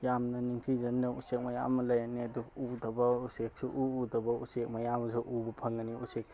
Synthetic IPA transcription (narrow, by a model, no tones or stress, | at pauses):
jamnɐniŋkʰizɐnnɐusek̚mɐja̰mɐlajaniɐduudɐbɐusek̚suʔuːdɐbɐusek̚mɐjamɐsuʔubɐpʰɐŋɐniusek̚